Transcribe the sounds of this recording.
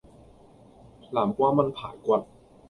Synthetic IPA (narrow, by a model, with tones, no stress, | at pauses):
laː˩˦mkwaː˧ma˧npʰaː˨˩˦jkwa˨˩t̪̚